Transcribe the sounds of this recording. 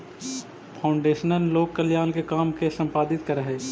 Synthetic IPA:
pʰaːʊɳɖeːʃənəlːoːkkəljaːlkekaːmkesə̃mpaːd̪ɪt̪kəɾəɦeː

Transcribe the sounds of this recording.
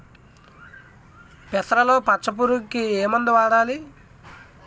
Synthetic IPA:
pɛt̪ɾɐlo̞ːpɐt͡ʃːɐp̬uɾukːieːmɐnd̪ɐʋaːɽaːli

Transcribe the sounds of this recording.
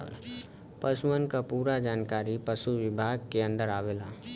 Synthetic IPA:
pəswənkapuːɾad͡ʒaːnkaːɾipəʃuʋɪbʱaːɡ̚keə̃nd̪əɾaːʋeːlaː

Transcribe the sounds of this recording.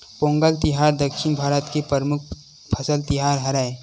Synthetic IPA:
põːŋɡəlt̪ɪɦaːɾd̪ɐkʃɪnbʱaːɾət̪kepəɾmʊkʰ | pʰɐsəlt̪ɪɦaːɾɦɐɾaːe

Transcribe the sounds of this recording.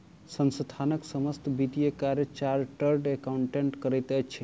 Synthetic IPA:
sənsd̪ʱʰanəksəməst̪ʰbit̪ijəkaɾjət͡ʃaɾʈəɾɖekauɳʈeɳʈkəɾəjt̪ɛjt͡ʃʰi

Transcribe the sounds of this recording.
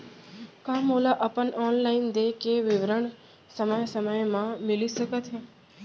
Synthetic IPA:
kamolaʔəpəɳɔnlaind̪ekeʋɪʋɾəɳ | səməjsəməjmãmɪlisəket̪ʰe

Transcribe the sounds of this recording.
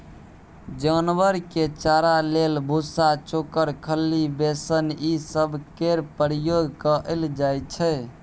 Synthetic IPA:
d͡ʒənʋəɾket͡ʃaɾalelbʱusat͡ʃokəɾkʰəlːibesənisəbʱkeɾpəɾijoɡkəʔəld͡ʒajt͡ʃʰɛ

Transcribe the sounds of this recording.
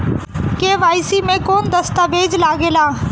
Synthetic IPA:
keːʋaːɪsiːmẽkoːnd̪əst̪aːʋeːd͡ʒlaːɡeːlaː

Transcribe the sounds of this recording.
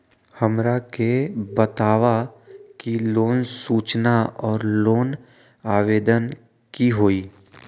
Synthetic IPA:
həmɾakebət̪aːʋakiloːnsuːt͡ʃnaɔːɾloːn | aːʋeːd̪ən | kiɦoːiː

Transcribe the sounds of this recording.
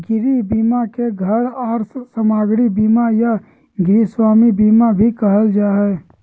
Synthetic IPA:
ɡɪɾibiːmakeɡʱəɽaːɾsəmaːɡɽibiːmaja | ɡɾiswaːmibiːmabʱikɐɦəld͡ʒaːɦɛː

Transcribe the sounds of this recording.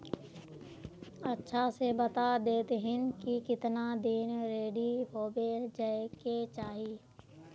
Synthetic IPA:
ətːʃʰasebət̪ad̪eːt̪ɦɪnkikɪt̪nad̪iːnɾeːɖiɦoːbed͡ʒaeket͡ʃaːɦiː

